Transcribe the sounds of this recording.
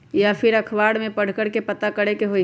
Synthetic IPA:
japʰɪɾɐkʰʋaːɽmẽpəɽ̤kəɽkepət̪akəɽekeɦo

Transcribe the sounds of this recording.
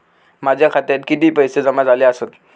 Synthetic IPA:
mad͡ʑʱjakʰat̪jat̪kit̪iːpəjsed͡zəmad͡zaleəsət̪

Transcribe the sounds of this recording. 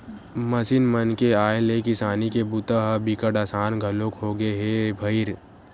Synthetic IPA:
mɐsinmənkeaːelekɪsaːnikebʊt̪aɦbɪkəʈaːsaːnɡʱɐlõkɦoɡeɦebʱɐɪɾ

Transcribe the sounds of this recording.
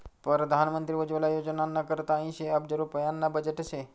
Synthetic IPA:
pɾəɾəd̪ʱanmənt̪ɾiʋəd͡ʒʋəlajod͡ʒnanːakəɾt̪aĩʃeapd͡ʒəɾuɾpəjanːabəd͡ʒeʈəse

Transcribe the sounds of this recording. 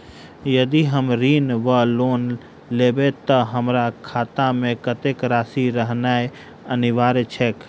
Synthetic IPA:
jəd̪iɦəmɾiːnʋəloːn | leːbet̪əɦəmɾakʰaːt̪amẽkət̪ekɾaːsiɾəɦnae | ənɪʋaːɾet͡ʃʰeːk

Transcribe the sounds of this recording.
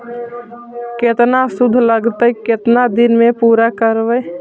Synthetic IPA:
ket̪nasud̪ʱːləɡt̪əket̪nad̪inmepuːɾakəɾbəj

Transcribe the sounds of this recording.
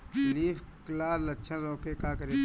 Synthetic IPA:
liːfklaːɾlɐtːʃʰãzõːkekaːkəɾe

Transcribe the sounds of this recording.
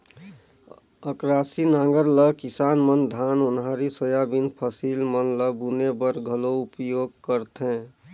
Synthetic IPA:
əkɾaːsinãːŋɡəɾləkisaːnmənd̪ʱanʊnɦaɾisojabinpʰəsilmənləbunebəɾɡʱəloupjoɡ̚kəɾt̪ɦɛ̃

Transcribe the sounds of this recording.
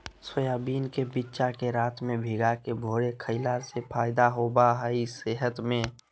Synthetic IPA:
səjaːbiːnkebitːt͡ʃakeɾaːt̪mẽbʱiɡakebʱoːɽekʰəɪlaːɾsepʰaːɪd̪aɦoːbaɦəiseɦət̪mẽ

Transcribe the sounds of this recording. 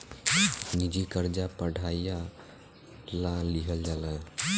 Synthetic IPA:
nid͡ʒikəɾd͡ʒapəɽʱaija | lãliɦəld͡ʒalã

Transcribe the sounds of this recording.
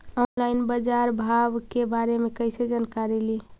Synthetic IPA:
ɔnlaɪnbəd͡ʒaɾbʱabkebaɾemekəɪsed͡ʒankaɾeli

